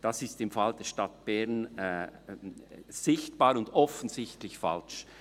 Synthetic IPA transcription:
d̥asɪstɪmfald̥ɛːɐʃtat̚b̥ɛɐn | z̥ɪçt̚b̥aːɾʊndɔfən̩zɪçtlɪçfa̰lʃ

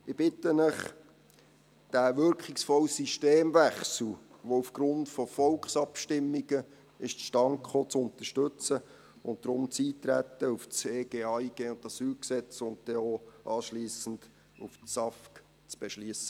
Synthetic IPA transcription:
ɪb̥ɪtːənəχ | d̥æʋʏɾkχɪksfɔlsiʃteːmvæχsl̩ʋoufɡ̥ɾʊntfɔfɔlkχsɑpʃtɪmːiɡ̥ə | ɪʃtʃtɑŋkχot͡sʊnt̪əʃtɵt͡sə | ʊnt̚d̥̪ɾʊmt͡siːtɾæt̪ːəuft͡seːɡ̥eːɑiɡ̥eːʊnt̚ɑsyːlksɛt͡sʊnt̚tɛoːʔɑːʃliːsən̩d | ufsɑfk | t͡sb̥ɛʃliəsə̥

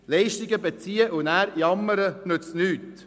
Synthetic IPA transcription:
lɛɪʃtɪɡəbet͡siːəʔʊnæːɾjɑmːəɾənɵt͡stnyːt̪

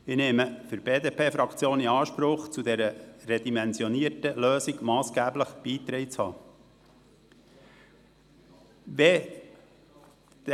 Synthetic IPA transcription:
ɪnɛːməfʏɾbeːd̪eːpʰeːfɾɑkt͡sjoːniɑːʃpɾʊχt͡sud̪ɛɾəɾɛd̪imɛnzjɔniətəløːsiɡmɑːsɡ̥æːbləχb̥iːt̪ɾɛɪt͡shɑː | ʋɛ | d̥

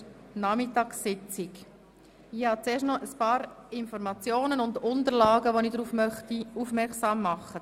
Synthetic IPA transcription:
nɑmɪtɑːksɪt͡sɪk | ɪhɑt͡seːʃtnɔʔəspɑːɾɪnfɔɾmɑt͡sjoːnənʊnd̪ʊnt̪əɾlɑːɡəʋonidɾuːfmœχt̪iufmɛɾksɑːmːɑχːə

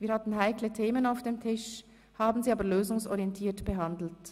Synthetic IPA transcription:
viːɐɾhɑtn̩ɦaɪklətʰeːmənaʊfd̥eːmtʰɪʃ | haːbn̩ziːaːbəløːzʊŋsɔ̰ʁiɛntʰiːtb̥əɦɑndl̩t

